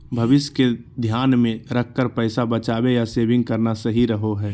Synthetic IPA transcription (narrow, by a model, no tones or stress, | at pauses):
bʱɐʋɪsjked̪ʱjaːnmẽɾəkʰːəɾpɛːsabɐt͡ʃaːbejaseːʋɪ̃ŋɡ̚kəɾnasɐɦiɾɐɦoɦɛː